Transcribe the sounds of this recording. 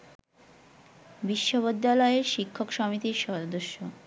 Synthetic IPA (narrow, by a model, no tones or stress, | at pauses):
biʃːoβod̪ːalɔeeɾʃikʰːokʃɔmit̪iɾʃɔd̪oʃːo